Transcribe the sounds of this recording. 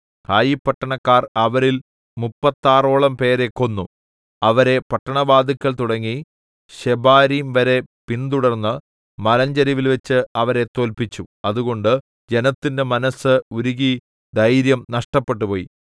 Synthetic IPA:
t̪ʰaːjipːɐʈːɐɳɐkːaːrɐʋɐɾil | mupːɐt̪ːaːro̞ːɭɐmpe̞ːɾe̞kːo̞nːu | ɐʋɐɾe̞pɐʈːɐɳɐbaːd̪ikʲːɐɭt̪uɽɐŋːi | ɕebaːɾimʋɐɾe̞pint̪uɽɐrnːɨ | mɐlɐɲd͡ʑɐɾiʋilʋet͡ɕːɨɐʋɐɾe̞t̪o̞ːlpit͡ɕːuɐðuɣo̞ɳɖɨ | d͡ʑe̞nɐt̪ːinde̞mɐnɐsːɨuɾuɣi | d̪ɐjɾjɐmnɐʂʈɐpːe̞ʈ̬ːupo̞ːji

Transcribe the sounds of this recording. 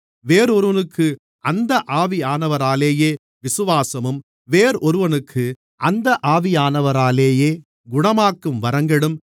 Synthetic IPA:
ʋeːɾɔɾɯʋɐnɯkʰːɯ | ɐnd̪ɐʔaːʋɪaːnɐʋɐɾaːleːjeː | ʋɪsɯʋaːsɐmɯm | ʋeːɾɔɾɯʋɐnɯkʰːɯ | ʔɐnd̪ɐʔaːʋɪjaːnɐʋɐɾaːleːjeː | ɡʊɳɐmaːkːɯmʋɐɾɐŋɡɐɽɯm

